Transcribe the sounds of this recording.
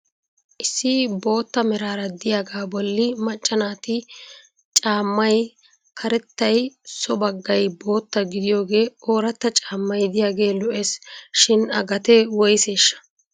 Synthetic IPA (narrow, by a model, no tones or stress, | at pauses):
ʔɪsːɪbo̞ːt̪ːɐmɛɾaːɾɐd̪ɪjaːɡaːbɔlːɪmɐt͡ʃʼːɐnaːt̪ɪ | t͡ʃʼaːmːɐj | kʰɐɾɛt̪ːɐjsɔbɐɡːɐjbo̞ːt̪ːɐɡɪd̪ɪjo̞ːɡe̞ːoːɾɐt̪ːɐt͡ʃʼaːmːɐjd̪ɪjaːɡe̞ːlɔʔeːsʃɪnɐɡɐt̪ɛwɔjseːʃːɐ̥